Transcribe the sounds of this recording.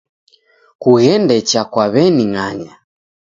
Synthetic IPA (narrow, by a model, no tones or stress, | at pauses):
kuɣɛndɛt͡ʃakwaβɛniŋaɲa